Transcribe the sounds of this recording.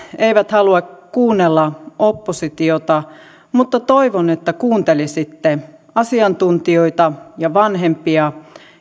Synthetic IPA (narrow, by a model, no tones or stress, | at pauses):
eiʋæt̪hɑluɑkkuːnːelːɑopːosit̪iot̪ɑ | mut̪ːɑt̪oiʋonet̪ːækuːnt̪elisit̪ːe | ɑsiɑnt̪unt̪ioit̪ɑjɑʋɑnɦempiɑ